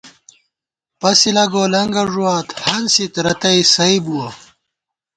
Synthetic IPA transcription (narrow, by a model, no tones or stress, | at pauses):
pɐsilɐɡoːlɐŋɡɐʐuwaːt̪hɐnsit̪ɾɐt̪ɐisɐibuwɐ